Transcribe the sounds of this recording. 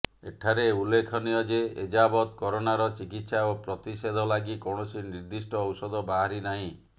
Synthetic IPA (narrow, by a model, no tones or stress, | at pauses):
eʈʰaɾeulːekʰɔnijɔd͡ʒeed͡ʒabɔt̪kɔɾonaɾɔt͡ʃikit̪saopɾɔt̪ised̪ʱɔlaɡikɔɳ̃ɔsiniɾd̪isʈɔːwsɔd̪ɔbaɦaɾinaɦĩ